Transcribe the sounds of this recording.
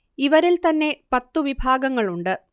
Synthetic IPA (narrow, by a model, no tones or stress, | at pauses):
iʋɐɾilt̪ɐnːe̞pɐt̪ːuʋibʱaːɡɐŋːɐɭuɳɖɨ